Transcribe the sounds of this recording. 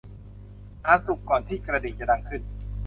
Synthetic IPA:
t̪ʰaː˧˥su˨˩kːɔː˨˩nt̪ʰiː˥˩kɾa˧diː˨˩t̚t͡ɕa˨da˧ŋkʰɯ˥˩

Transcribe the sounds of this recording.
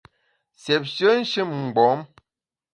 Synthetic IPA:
sɛ˨p̚ʃə˦n̩˦ʃɨ˦˨mŋ͡m̩˨ɡ͡bɔ˨˦m

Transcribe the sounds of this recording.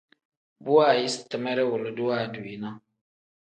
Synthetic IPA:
bʊ˦wa˦˨jɪ˦stɪ˨mɛ˦ɾɪ˦wʊ˨lʊ˨dʊ˦a˦˨du˨i˨na˦

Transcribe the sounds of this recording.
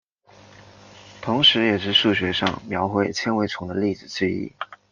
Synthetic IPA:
t̪ʰʊ˧˥ŋʂɻ̩˧˥jɛ˨˩ʈ͡ʂɻ̩˥˧ʂu˥˩ɕɥɛ˧˥ʂɑ̰˥˩ŋmjɑ˧˥ʊxwe˥˩ɪt͡ɕʰjɛ˥nwe˧˥ɪʈ͡ʂʰʊ˧˥ŋd̪ə˧li˥˩ʈ͡ʂɻ̩˨˩ʈ͡ʂɻ̩˥˧ḭ˥˩

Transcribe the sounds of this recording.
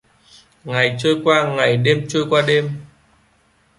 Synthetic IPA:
ŋa˨˩jt͡ɕəː˧jkwaː˧ŋa˨˩jɗe˧mt͡ɕəː˧jkwaː˧ɗe˧m

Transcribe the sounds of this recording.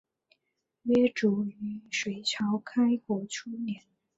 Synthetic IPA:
ɥɛ˥ʈ͡ʂu˨˩y˧˥ʂwe˨˩ɪt͡ɕʰjɑ˧˥ʊkʰa˥ɪxo˨˥˩ʊʈ͡ʂʰu˥ljɛ˨˩˦n

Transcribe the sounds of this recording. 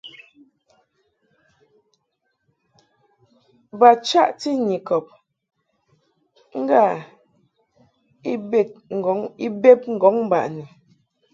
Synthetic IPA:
ba˨t͡ʃa˦ʔti˦ɲi˨kɔ˨p̚ | ŋ̩˦ɡa˦˨ | i˦be˦˨t̚ŋ˨˦ŋi˦be˦p̚ŋ̩˦˨ɡɔ˨˦ŋm˦ba˨ʔni˨

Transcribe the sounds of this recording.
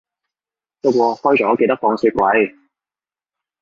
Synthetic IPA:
to˥kʷɔː˧hɔː˥jt͡ʃɔ˨˥ɔ˨˧ke˧jt̪ɐ˥kfɔː˧ŋsyː˨˧kʷɐ˨˥j

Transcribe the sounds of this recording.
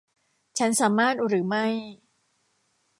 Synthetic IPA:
t͡ɕʰa˦˥nsaː˩˦maː˥˩t̪̚ɾɯː˩˦ma˥˩j

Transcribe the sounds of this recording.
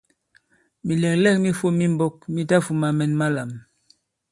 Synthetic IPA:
mi˨lɛ˨klɛ˦˨k̚mi˦fo˦mi˦m˦bo˦k̚mi˦ta˦fu˨ma˨mɛ˨nma˦la˨m

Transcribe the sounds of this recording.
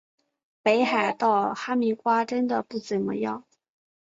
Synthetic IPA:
pe˧˥ɪxa˨˩ɪt̪ɑ˥˩ʊxa˥mi˧˥kwa˥ʈ͡ʂə˥nd̪ə˨pu˥˩t͡sə˨˩nmə̰˦jɑ˥˩ŋ

